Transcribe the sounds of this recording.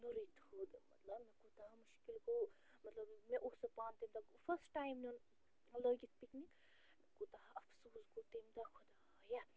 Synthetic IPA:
nuɾit̪hoːd̪mɐt̪lɐbmekut̪aɦmuʃkilko | mɐt̪lɐbmeʔosɐpaːnt̪imd̪afʰəɾsʈʈaːjmnn | ləɡit̪ʰpiknik | mkut̪aʔɐfsuːskot̪imd̪akʰud̪a | ja

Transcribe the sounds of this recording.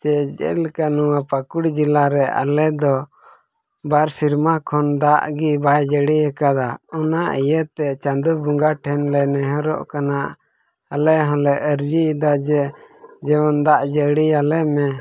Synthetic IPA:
t͡ʃɛʔd͡ʒɛ̰lkanuwapakuɽd͡ʒilaɾɛa̰lɛd̪ɔ | baɾsiɾmakʰɔnd̪aʔɡibajd͡ʒəɽihɛkad̪aɔnaʔijət̪ɛt͡ʃand̪ubuŋɡaʈʰɛnlɛnɛɦɔ̃ɾɔ̰ʔkanaʔ | alɛɦɔ̃lɛʔəɾd͡ʒiːd̪ad͡ʒɛd͡ʒɛwɔnd̪aʔd͡ʒəɽialɛmɛ

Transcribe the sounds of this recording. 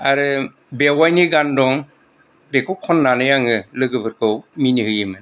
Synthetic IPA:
aɾɯ | bewajniɡandɔŋ | bekɔkʰɔnːanɯjaŋɯlɯɡɯbɯɾkɯwminihɯjɯmɯn

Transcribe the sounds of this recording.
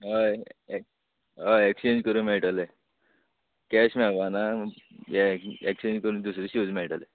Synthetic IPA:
ɦae | ɦaekst͡ɕẽnd͡ʑkəɾũːmeɭʈale | kɛɕmɛʋana | eeksend͡ʑkəɾũnd̪usɾiːɕuːd͡zmiɭʈale

